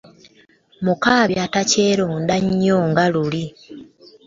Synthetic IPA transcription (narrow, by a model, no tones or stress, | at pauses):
mukaːβjataceːɾoːndaɲːoŋɡaluli